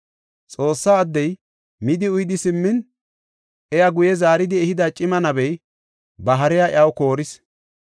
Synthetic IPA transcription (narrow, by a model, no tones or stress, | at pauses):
t͡sʼo̞ːsːaːd̪ːɛj | mɪd̪ɪʊjd̪ɪsɪmːɪn | ʔɛjɐɡʊjɛzaːɾɪd̪ɪɛhɪd̪ɐt͡ʃʼɪmɐnɐbɛj | bɐɦɐɾɛjaʔɪ̰ɐwko̞ːɾɪs